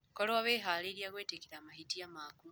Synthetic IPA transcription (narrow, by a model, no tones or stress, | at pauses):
kolowaβeːɦaleːɾjakweːtekiɾaːmahitiamaːku